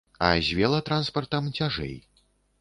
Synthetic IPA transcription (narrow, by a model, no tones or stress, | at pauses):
ɐ̰zʲvʲɛlˠɐt̪ɾanspɐrt̪ɐmt͡sʲaʐɛ̰j